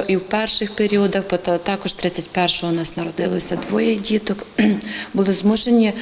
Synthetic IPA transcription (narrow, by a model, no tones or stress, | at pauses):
ɔʔiwpɛrʃɪxpeɾʲiɔd̪ɐxpɔt̪t̪ɑkɔʃt̪ɾɪt͡sʲːɐtʲpɛrʃɔɦɔnɑsnɐɾɔd̪ɪlˠɔsʲɐd̪ʋɔjɛdʲit̪ɔk | bʊlˠɪzmuʒenʲi